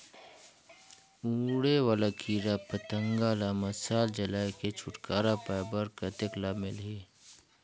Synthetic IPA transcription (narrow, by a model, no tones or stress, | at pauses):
ũːɽeʋaːlakʰiːɾapət̪ə̃ŋɡaːlamɐsaːld͡ʒɐlaːeket͡ʃʰʊʈkaːɾapaːɪbəɾkɐt̪ɪklaːmɪlɦeː